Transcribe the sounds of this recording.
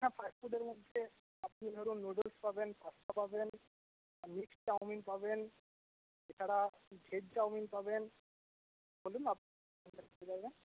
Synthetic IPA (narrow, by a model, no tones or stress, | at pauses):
ɦãpʰajfuɖeɾmod̪ʱe | apnid̪ʱɔɾunːoɖəlspabenpast̪ʰapaben | miksʈawminpaben | et͡ʃʰaɽaɡʱeɖ̚ʈawminpaben | bolunapni | ɔnd̪aid͡ʒaɾbɛn